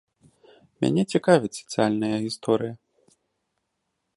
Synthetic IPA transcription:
mʲa̰nʲɛt͡sʲikavʲɛsʲɛ̥t̪sɨjalʲnɐjɐɣʲist̪ɔɾɨjɐ

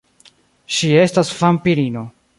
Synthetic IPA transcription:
ʃie̞stasfampiɾino̞

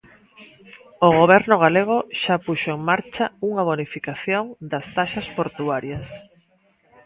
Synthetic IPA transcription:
oɣoβ̞ɛɾnʊɣ̞aleɣ̞oʃapuʃoeŋmaɾt͡ʃauŋaβ̞onifikaθjoŋd̪ɐst̪aʃaspoɾt̪uaɾjɐs

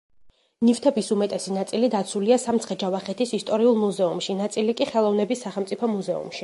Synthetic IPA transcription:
nift̪ʰɛbisumɛt̪ʼɛsinat̪sʼilid̪at̪sʰuliasamt̪sʰχɛd͡ʒavaχɛt̪ʰisist̪ʼɔɾiulˠmuzɛumʃinat̪sʼilikʼiχɛlˠɔvnɛbisːaχɛlˠmt̪sʼipʰɔmuzɛṵmʃi

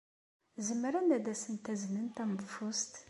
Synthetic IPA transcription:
zəmːɾænæd̪æsənt̪æznənt̪æməvfust̪

